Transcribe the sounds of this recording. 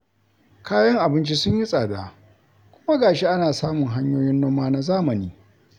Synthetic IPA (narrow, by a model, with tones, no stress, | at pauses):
kaː˦jɐ˦ŋʔa˨bɪ˦nt͡ʃi˦sʊ˦ɲji˦sʼaː˨daː˨ | kʷʊ˦ma˦ɡaː˨ʃi˦ʔa˦naː˨saː˦mʊ˨ŋɦa˦ɲjoː˦jɪ˦nːoː˦mːaː˦na˦zaː˦mɐ˨niː˦